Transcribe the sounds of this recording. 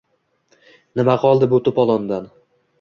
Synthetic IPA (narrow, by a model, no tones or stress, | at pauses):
nɪmaqʰɒlˠd̪ɪbʊt̪ʊpɒlˠɒnd̪an